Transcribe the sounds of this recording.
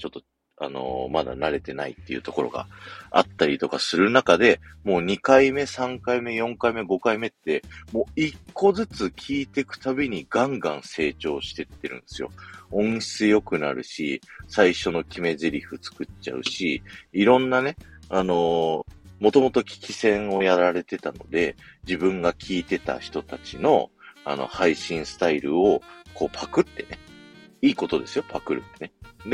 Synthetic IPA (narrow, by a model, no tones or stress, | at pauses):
t͡ɕo̞t̪ːo̞ | a̰no̞̰mad̪a̰naɾe̞t̪e̞naḭt̪ːe̞iɯ̟̰t̪o̞ko̞ɾo̞̰ɡa̰a̰t̪ːaɾʲit̪o̞kasɨɾɯ̟nakad̪e̞mo̞ːɲ̟ikaime̞sãŋkaime̞jõ̞ŋkaime̞ɡo̞kaime̞t̪ːe̞mo̞ːikʰːo̞zɨt͡sɨkʲʰiːt̪e̞kɯ̟̥t̪abe̞ɲ̟iɡãŋɡãɰ̃se̞ːt͡ɕo̞ːɕi̥t̪e̞t̪ːe̞ɾɯ̟̰̃nd̪̥e̞sɨjo̞̰õ̞ɰ̃ɕi̥t͡sjo̞kɯ̟na̰ɾɯ̟̰ɕḭsaiɕo̞no̞kʲime̞zeɾʲiɸɯ̟t͡sɨ̥kɯt͡ɕa̰ɯ̟ɕiːɾõ̞nːane̞ano̞ | mo̞t̪o̞mo̞t̪o̞kʲi̥kʲisẽ̞ɰ̃o̞jaɾaɾe̞t̪e̞t̪ano̞d̪e̞d͡ʑibɯ̟̃ŋɡakʲʰiːt̪e̞t̪a̰çi̥t̪o̞t̪at͡ɕino̞̰a̰no̞̰haiɕĩɰ̃sɨ̥t̪aiɾɯ̟o̞ko̞ːpʰakɯ̟t̪ːe̞neiːko̞t̪o̞d̪e̞sɨjo̞pʰakɯ̟ɾɯ̟ened̪e